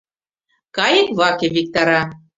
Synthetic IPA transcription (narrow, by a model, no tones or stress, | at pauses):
kɑjɤ̆kβɑkʲĕβʲik̚t̪ɑɾɑ